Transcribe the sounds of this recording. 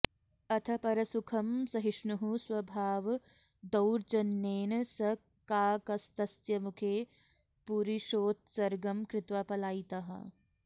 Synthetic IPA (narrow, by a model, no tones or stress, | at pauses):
ɐt̪ʰɐpɐɾɐsukʰɐmsɐɦiʃnuɦuswɐbʱaːʋ | d̪ɐwɾd͡ʒɐnːeːnɐsɐ | kaːkɐst̪ɐsjɐmukʰeː | puɾiʃoːt̪̚sɐɾɡɐmkɾɪt̪ʋaːpɐlaːit̪ɐɦɐ̰